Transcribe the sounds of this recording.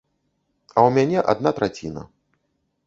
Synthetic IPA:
ɐwmʲanʲɛʔad̪̚nat̪ɾat͡sʲḭnɐ̰

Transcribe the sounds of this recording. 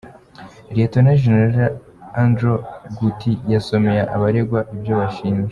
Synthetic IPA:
ɾetonaʒeneɾaɾ | andɾoɡutijaso̞me̞jaʔaβaɾeɡwaʔibjo̞βaʃiːnwe

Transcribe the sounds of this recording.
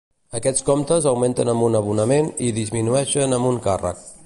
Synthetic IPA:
əkɛt͡skomt̪əzəwment̪ənəmbunəβ̞unəmeniðizminuɛʃənəmbuŋkarə̰k̚

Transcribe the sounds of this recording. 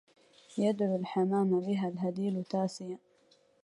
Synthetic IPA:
jad̪ʕulħamaːmabɪɦalɦad̪iːlt̪aːsɪja

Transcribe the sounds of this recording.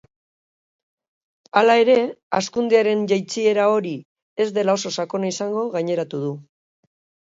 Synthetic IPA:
alae̞ɾe̞a̰skund̪eaɾe̞nʝajt͡sie̞ɾao̞ɾi | e̞zd̪e̞lao̞so̞sako̞naisaŋɡo̞ɣaɲe̞ɾat̪uðu

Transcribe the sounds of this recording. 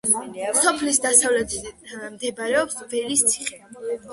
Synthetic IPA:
sɔpʰlisd̪asavlɛt̪ʰmd̪ɛbaɾɛɔpsvɛlist̪sʰi̥χɛ

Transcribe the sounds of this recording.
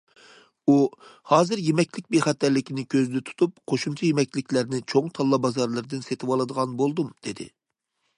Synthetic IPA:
uhɑːzɨɾjemɛkʲlɪk̚ʲbeχɛt̪ːæɾlɪkʲinɪkʲʰøzd̪ɪt̪ʰu̥t̪up̚qʰoʃumt͡ʃʰɛjemɛkʲlɪkʲlæɾnɪt͡ʃʰoŋt̪ʰɑlˠːɑbɑzɑɾlˠɨɾɨd̪ɨnset̪ʰɪwɑlˠɨd̪əʁɑnbolˠd̪umd̪̥ed̪ɪ̰

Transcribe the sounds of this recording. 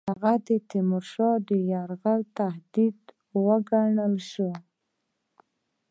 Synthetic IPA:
haɣad̪ət̪ɪmʊɾʃɑd̪əjaɾɣalt̪ahd̪id̪ | wəɡaɳəlʃu

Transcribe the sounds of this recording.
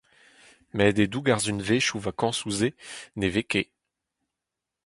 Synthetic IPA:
mɛd̪ed̪uɡaʁzynveʃuvakɑ̃suzeneveke

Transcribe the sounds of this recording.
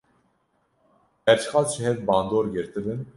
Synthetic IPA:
ɛɾt͡ʃxɑːlʃɨhɛvbɑːnd̪oːɾɡɨɾt̪ɨbɨn

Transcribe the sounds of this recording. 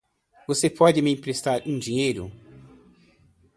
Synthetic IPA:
vosepɔd͡ʒɪmɪĩpɾest̪aɾũd͡ʒĩɲejɾʊ̰

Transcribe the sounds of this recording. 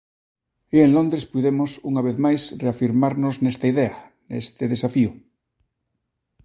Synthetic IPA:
ienlond̪ɾespuðemosuŋaβ̞eðmajsreafiɾmaɾnoznest̪aiðea | nḛst̪eðesafiʊ

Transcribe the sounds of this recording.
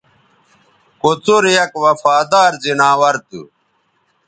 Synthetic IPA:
kot͡soɾjɐkwɐfaːd̪aːɾzinaːwɐɾt̪ṵ

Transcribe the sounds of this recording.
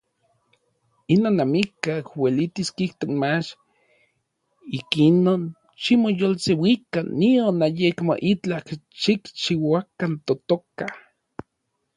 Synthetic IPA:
inonamikakwelit̪iskiht̪okmat͡ʃ | ikinon | ʃimojolsewikanːionajekmo̰ʔit͡ɬakʃikt͡ʃiwakant̪ot̪oka

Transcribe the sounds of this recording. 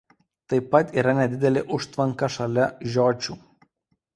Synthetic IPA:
t̪ɐɪpːɐt̪iːɾɐnʲɛd̪ʲɪd̪ʲɛlʲɪʔʊʃt̪ʋɐŋkɐʃɐlʲɛʒʲoːt͡ʃʲuː

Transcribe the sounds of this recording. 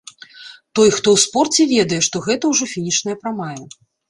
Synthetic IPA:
t̪ɔjxt̪ɔwspɔrt͡sʲɛvʲɛd̪ɐjɛʂt̪ɔɣɛt̪ɐwʐɔfʲinʲit͡ʂnɐjɐpɾamajɛ

